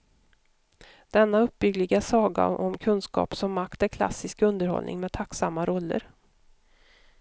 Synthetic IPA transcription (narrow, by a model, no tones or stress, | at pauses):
d̪̥ɛnːaɵp̚ːbʏɡlɪɡasɑːɡa̰ʔɔmkʰɵnskɑ̰ːpsɔmːakt̪ɛlkʰla̰sɪskɵnd̪əɾhɔ̰lnʔɪ̰ŋmeɛːt̪ʰaksamːaɾɔlːə̰ɾ